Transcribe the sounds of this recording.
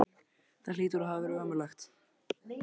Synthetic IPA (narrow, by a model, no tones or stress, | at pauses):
θaliːt̪ʏɾɔɦavɛɾʏœːmʏlaxt̪